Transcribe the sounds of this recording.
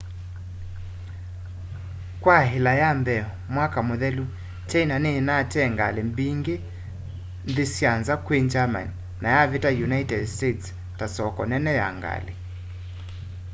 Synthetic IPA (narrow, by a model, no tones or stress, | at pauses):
kwaɦelajambɛɔmwakamoðɛlu | t͡ʃɛinanenatɛŋɡalembiŋɡe | nðesjanzakwend͡ʒama̰n | najavetajunaitɛdstets | tasɔkɔnɛnɛja̰ŋɡa̰lḛ